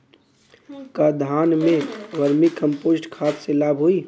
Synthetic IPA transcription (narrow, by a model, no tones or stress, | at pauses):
kad̪ʱaːnmẽʋəɾmikːə̃mpoːzʈkʰaːt̪selaːbɦoi